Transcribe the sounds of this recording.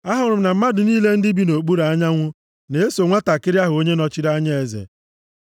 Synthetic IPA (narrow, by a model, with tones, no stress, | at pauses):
a˦ɦʊ˨ɾʊ˨m̩˦na˨m̩˦ma˦dʊ˨niː˦le˦n̩˦dɪ˦bi˦no˨k͡pu˦ɾa˨a˦ɲa˦ŋʷʊ˦ | ne˨e˦so˨ŋʷa˦ta˨kɪ˦ɾɪ˦a˦ɦʊ˨o˦ɲe˦nɔ˦t͡ʃi˦ɾa˦ɲa˦e˨zḛ˨